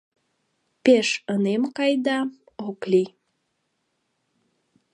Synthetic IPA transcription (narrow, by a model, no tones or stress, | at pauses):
peʃənemkɑjd̪ɑ | okli